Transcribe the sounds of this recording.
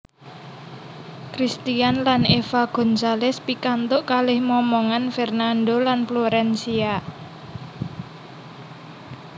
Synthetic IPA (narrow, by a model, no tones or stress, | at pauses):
kɾist̪ianlanefaɡ̥ɔ̤nsalɛspikant̪ʊʔkalɪhmɔmɔŋanfɛrnandolanfloɾɛnsia